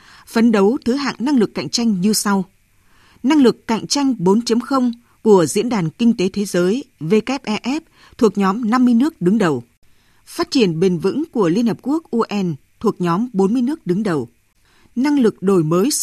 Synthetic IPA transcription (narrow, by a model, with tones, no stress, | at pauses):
fə˨˦nɗə˨˦wt̪ʰɨ˨˦ɦa̰ː˧˨ŋna˧ŋlɨ˨˩kːa̰˧˨jŋ̟t͡ɕa˧jŋ̟ɲɨ˧sa˧w | na˧ŋlɨ˨˩kːa̰˧˨jŋ̟t͡ɕa˧jŋ̟ɓo˨˦nt͡ɕə˨˦mxə˧wŋ͡m | ku˧˩əzḭ˧˥ənɗaː˨˩nkï˧ŋ̟t̪e˨˦t̪ʰe˨˦zəː˨˦jve˧kɛ˦˥p̚ʔɛ˧ʔɛ˦˥p̚ | t̪ʰu˨˩ək̚ɲɔ˨˦mna˧mːɨ˧əjnɨ˦˥ək̚ɗɨ˨˦ŋɗə˨˩w | faː˦˥t̚t͡ɕi˧˩ənɓe˨˩nvɨ̰˧˥ŋku˧˩əli˧ənhəː˨˩p̚ku˦˥ək̚ʔu˧ʔɛ˧nt̪ʰu˨˩ək̚ɲɔ˨˦mɓo˨˦nmɨ˧əjnɨ˦˥ək̚ɗɨ˨˦ŋɗə˨˩w | na˧ŋlɨ˨˩k̚ɗo˨˩jməː˨˦j